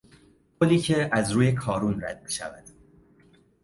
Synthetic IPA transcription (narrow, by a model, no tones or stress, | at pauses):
kʰoliːcʰeʔæzɾuːje̞kʰɒːɾunræ̰d̪̥̚miʃæ̰væ̰d̪̥